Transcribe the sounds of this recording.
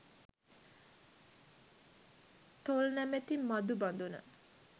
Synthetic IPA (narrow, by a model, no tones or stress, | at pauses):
t̪olnæmet̪immːad̪uband̪unə̰